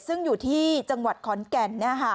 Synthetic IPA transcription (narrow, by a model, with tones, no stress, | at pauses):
sɯ˥˩ŋjuː˨˩t̪ʰiː˥˩t͡ɕa˧ŋwa˨˩t̪̚kʰɔ˨˦nkɛ˧nːiː˥˩ɐkʰa˥˩